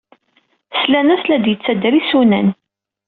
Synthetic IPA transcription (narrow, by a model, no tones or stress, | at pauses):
slænæslæd̪jət͡sːæd̪ɾisunæ̰n